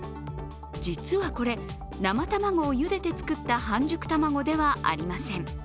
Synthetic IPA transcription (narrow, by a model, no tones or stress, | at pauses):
d͡ʑit͡sɨβako̞ɾe̞ | namat̪amaŋo̞ːjɯ̟d̪e̞t̪e̞t͡sɨ̥kɯt̪ːahãɲ̟d͡ʑɨkɯ̟̥t̪amaɡo̞d̪e̞βaʔa̰ɾʲimasẽ̞ŋ